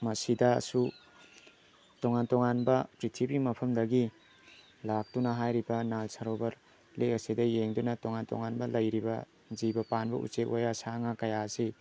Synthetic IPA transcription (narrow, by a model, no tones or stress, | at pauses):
mɐsidɐsu | tɔŋantɔŋanbɐpɾitʰipimɐpʰɐmdɐɡi | lak̚tunɐɦajɾibɐnalsaɾobɐɾ | leɐsidɐjeŋdunɐtɔŋantɔ̰ŋanbɐlɐjɾibɐ̰ | d͡ʒibɐpanbɐ̰ʔṵt͡ʃetʔojasaŋakɐjasi